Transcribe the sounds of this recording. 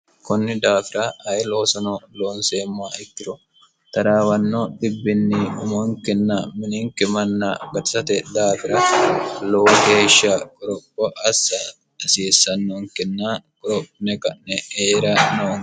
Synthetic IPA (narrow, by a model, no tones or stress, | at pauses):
kʊnːɪd̪aːfɪɾɐhɐjɛloːsɐnɔloːnseːmːaɪkːɪɾɔ | t̪ɐɾaːwɐnːɔd̪ɪbːɪnːɪʊmɔŋkɛnːɐmɪnɪŋkɛmɐnːɐ̰ɡɐt̪ɪ̥sɐt̪ɛd̪aːfɪɾɐloːɡeːʃːɐkʼɔɾɔpːɔʔɐsːɐ | ɐsiːsːɐnːoŋkɛnːakʼɔɾɔpnɛkɐnnɛeːɾɐnoːŋ